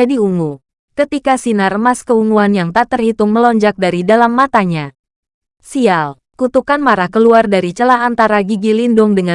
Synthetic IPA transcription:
adiuŋu | kət̪ikasinaɾəmaskəuŋuanjaŋt̪aʔt̪ərhit̪ʊŋməlɔɲd͡ʒak̚daɾidalamːat̪aɲa | sial | kut̪ukanmaɾahkəluardaɾit͡ʃəlaɦant̪aɾaɡiɡilindʊŋdəŋa

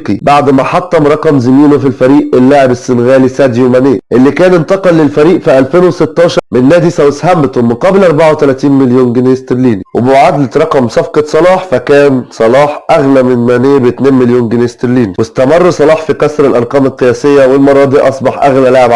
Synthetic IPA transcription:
qibaʕd̪mæħɑt̪ˤːɑmɾˤɑqɑmzɪmiːnofilfæɾiːʔelːaʕebesːɪnɣæːlisæːd̪jomæneːʔelːikæːnɪnt̪ɑqɑlːɪlfæɾiːʔfiʔælfeːnwesɪt̪ːɑːʃɑɾmɪnːæːd̪isæwshæmbt̪omːɪnqɑblʔɑɾˤbaʕawet̪ælæːt̪iːnmɪljuːnɡɪnest̪eɾliːniwebuʕad̪lt̪ɾˤɑqɑmsˤɑfqɑsˤɑlɑːħfækæːnsˤɑlɑːħʔæɣlæmɪnmæneːbt̪neːnmɪljoːnɡɪnst̪ɪɾliːniwest̪æmɑrˤːsˤɑlɑːħfikæsɾɪlʔɑɾˤqɑːmelqːejæːsejːæwelmɑɾˤɑːd̪ˤiʔɑsˤbɑħʔæɣlælaʕeb

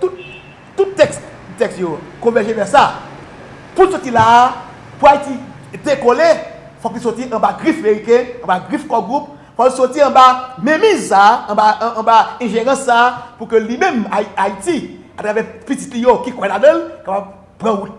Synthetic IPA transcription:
t̪ut̚ | tutːɛks | tɛksjokɔ̃vɛʒevɛsa | pulsotila | puaiti | dekole | fɔkisotiʔɐ̃baɡʁifameʁikɛ̃ɐ̃baɡifkɔɡʁup̚ | fɔlsotiɐ̃bamẽmĩzsaɐ̃bãːbaɛ̃ʒeʁɐ̃sːapukølimɛ̃maaiti | atʁavɛpitit̪lijokikwɛlavɛ̃lkapab̚ | pʁãɣut̚

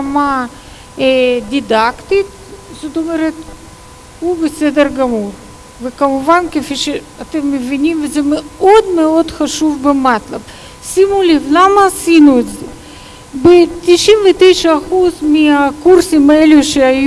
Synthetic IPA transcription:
ama | d̪id̪akt̪it̪ | ʃot̪omeɾet̪ | hubesed̪eɾɡɐmur | vekamuvankefiʃe | at̪emːevinʲimvezɛmeo̞d̪meo̞d̪xaʃuvbemat̪lab | simulivlamɐːsinuet̪ze | bet̪iʃinvet̪ejʃɐːxuzmiakuɾsimaeluʃeaj

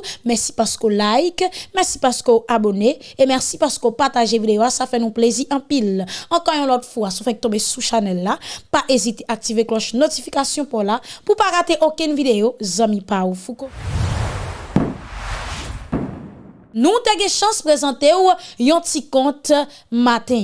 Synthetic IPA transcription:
mɛsi̥paʁskolajkmɛsi̥paʁskøoʔaboneemɛʁsipaʁskopaʁtaʒevid̪ejoasafɛnũpleziʔɑ̃pilɑ̃kɔ̃jɔ̃lɔtfuasɔ̃fɛ̃k̚t̪ɔ̃besuʃanɛlːapaʔezit̪eʔak̚tiveklɔʃnotifikasjɔ̃pɔlapupaʁat̪eʔokɛ̃nvideozɑ̃mĩpaufuko | nũt̪ɛɡɛ̃ʃɑ̃spʁezɑ̃t̪ewjɔ̃tikɔ̃t̪ | mat̪ɛ̃

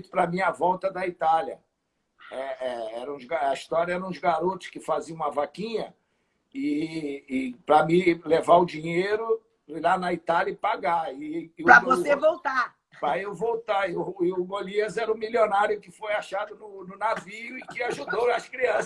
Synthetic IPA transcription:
t̪ʊ̥pɾɐmĩɐvɔwt̪ɐd̪ɐit̪aljɐ̰ | ɛɛɛɾɐ̃ũzɡaɐist̪ɔɾjɐɛɾɐ̃ʊzɡaɾot̪ʊ̥ʃkɪfaziɐ̃ũmɐvakĩɲɐ | ɪɪpɾɐmĩlevaʊd͡ʒiɲejɾʊ | lanɐit̪aljɐɪpaɡaɪpɾɐvosevowt̪a | pɾɐewvowt̪aɪʊɪʊɡoliɐzɛɾɐũmiljonaɾjʊkɪfojaʃad̪ʊnʊnʊnavijʊɪkɪaʒud̪owɐskɾiɐ̃s

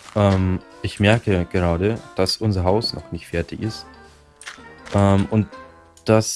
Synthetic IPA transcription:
ʔɛːmʔɪçmɛɐkəɡ̥əʁ̞aːdəd̥asʔʊnzɐɦaʊsnɔ̰χnɪçtfɛɐtɪçɪst | ʔɛːmʔʊnt | d̥as

